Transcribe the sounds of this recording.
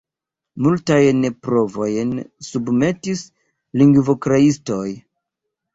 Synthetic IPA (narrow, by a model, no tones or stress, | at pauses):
multajnpɾo̞vo̞jnsubme̞tis | liŋɡvokɾaisto̞j